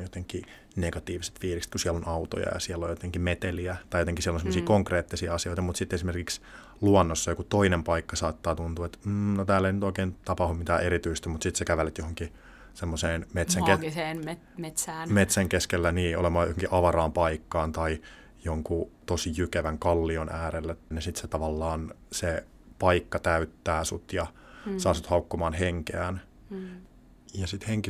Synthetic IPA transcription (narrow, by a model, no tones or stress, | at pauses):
jot̪eŋkːi | neɡ̥ɑt̪iːʋise̥t̪fiːlikst̪kusiɛlːonɑut̪o̰jɑ̰jɑ̰siɛlːojjot̪eŋkimet̪eliæt̪ɑjot̪eŋkisiɛlonsemːosiːkoŋkreːt̪ːisiːɑsioit̪ɑmut̪sit̪ːesimerkiks | luɑnːosːojkut̪oinempɑikːɑsɑːt̪ːɑːt̪unt̪uːet̪m̩ːnot̪æːlːeinyt̪oikeːnt̪ɑpɑhummit̪æːʔeɾit̪yst̪æmut̪sit̪sekæʋælet̪johoŋki | semːoseːnmet̪sæŋkeseːne | met̪sæːnmet̪sæŋkeskelːæniːo̰lemɑːjo̰hoŋkiʔɑʋɑrɑːmpɑikːɑːnt̪ɑi | joŋkut̪osijykeʋæŋkɑlːionʔæːɾelːet̪ːnesit̪set̪ɑʋɑlːɑːnse | pɑikːɑt̪æyt̪ːæːsut̪jɑ | sɑːsut̪hɑukːomɑːnheŋkeæn | jɑsit̪heŋki